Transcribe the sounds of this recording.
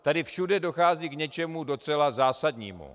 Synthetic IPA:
t̪adɪfʃudɛdo̞xaːziːkɲɛt͡ʃɛmudo̞t͡sɛlazaːsadɲḭːmṵ

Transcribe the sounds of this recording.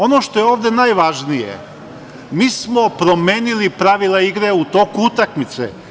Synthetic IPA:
o̞noʃt̪o̞jeo̞ːʋd̪enajʋaʒnijḛ | miːsmopɾo̞meːnilipɾaʋilˠaiɡɾeut̪o̞kuut̪akmit̪sḛ

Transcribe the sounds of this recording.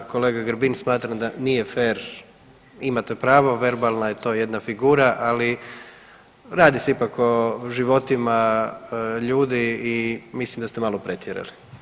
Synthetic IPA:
ko̞leːɡaɡɾbinsmaːt̪ɾamd̪anijefeːɾ | imat̪epɾaːʋoʋe̞ɾbalˠnajet̪o̞je̞d̪nafiɡuːɾaʔali | ɾaːd̪iseipako̞ʒiʋo̞t̪ima | ʎuːd̪iimislimd̪ast̪e̞maːlopɾet̪ʰjeɾa̰li

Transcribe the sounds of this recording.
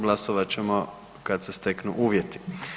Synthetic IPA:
ɡlˠasoʋat͡ɕe̞mo | kad̪se̞st̪e̞knṵʔuːʋje̞t̪i̥

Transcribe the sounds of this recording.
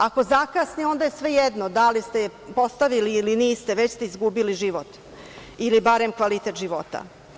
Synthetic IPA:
ako̞zakaːsnio̞nd̪ajesʋe̞jed̪nod̪alist̪epo̞st̪aʋiliːliniːst̪e̞ʋet͡ɕst̪e̞izɡubiliʒiʋot̪ | ilibaɾe̞mkʋalit̪e̞t̪ʒiʋo̞t̪a̰

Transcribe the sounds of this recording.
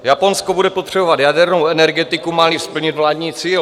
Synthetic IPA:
japo̞nskobudɛpot̪r̝̥ɛbovat̪jadɛɾnowɛnɛɾɡɛt̪ɪkumalifspl̩ɲɪt̪vlaːdɲiːt͡siːl

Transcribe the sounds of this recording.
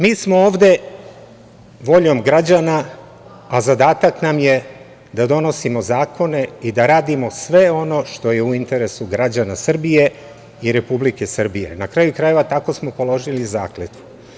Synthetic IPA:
miːsmo̞oːʋd̪e̞ | ʋo̞ʎo̞mɡɾad͡ʑana | azad̪aːt̪aknamje | d̪ad̪o̞no̞simo̞zaːkʰo̞ne̞id̪aɾaːd̪imo̞sʋe̞o̞no̞ʃt̪o̞je̞uint̪e̞ɾe̞suɡɾad͡ʑanasr̩bije̞ | iɾe̞publike̞sr̩bije̞̰nakɾajukɾaje̞ʋat̪ako̞smo̞po̞lo̞ʒiliza̰ːklet̪u̥

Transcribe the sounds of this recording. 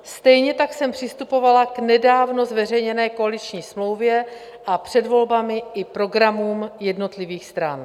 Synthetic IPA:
st̪ɛjɲɛt̪aksɛmpr̝̥ɪst̪upo̞valaɡnɛdaːvno̞zvɛr̝ɛjɲɛnɛːko̞alɪt͡ʃɲiːsmlo̞wvjɛ | ʔapr̝̥ɛdvo̞lbamɪʔɪpɾo̞ɡɾamuːmjɛdno̞t̪lɪviːxst̪ɾan

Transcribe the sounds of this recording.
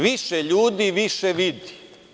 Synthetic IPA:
ʋiʃeʎuːd̪iʋiʃeʋid̪i̥

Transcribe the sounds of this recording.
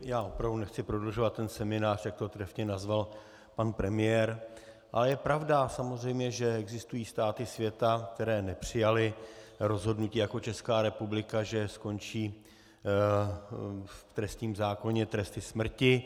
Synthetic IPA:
jaːʔo̞pɾavdunɛxt͡sɪpɾo̞dloʒo̞vat̪ːɛnsɛmɪnaːr̝̥jak̚t̪ot̪ɾɛfɲɛnazval | panpɾɛmɪjɛːɾ | ʔa̰lɛjɛpɾavdasamozr̝ɛjmɲɛʒɛɛɡzɪst̪ujiːst̪aːt̪ɪsvjɛt̪ak̚t̪ɛɾɛːnɛpr̝̥ɪjalɪɾo̞zɦo̞dnuciːjako̞t͡ʃɛskaːɾɛpublɪkaʒɛsko̞nt͡ʃiː | ft̪ɾɛst̪ɲiːmzaːko̞ɲɛt̪ɾɛst̪ɪsmr̩cɪ

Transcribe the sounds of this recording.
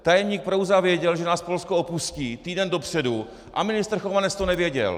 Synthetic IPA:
t̪ajɛmɲiːk̚pɾowzavjɛɟɛlʒɛnaːspo̞lskoopusciːt̪iːdɛndo̞pr̝̥ɛdu | ʔa̰mɪnɪst̪r̩xovanɛt͡st̪onɛvjɛɟɛ̰l

